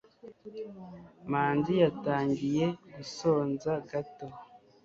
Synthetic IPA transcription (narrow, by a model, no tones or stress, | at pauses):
maːnzijataːɲɟije̞ɡuso̞ːnzaɡato